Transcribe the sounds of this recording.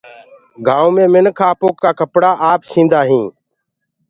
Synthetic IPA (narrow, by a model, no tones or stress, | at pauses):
ɡʱaːõːmẽːmɪnkʰaːpoːkːaːkəpɽaːʔaːpsʰĩːnd̪aːɦĩː